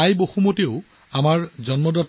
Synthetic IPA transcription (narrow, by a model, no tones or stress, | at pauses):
ajbohumoteʊ | amaɹzɔnmɔdɔt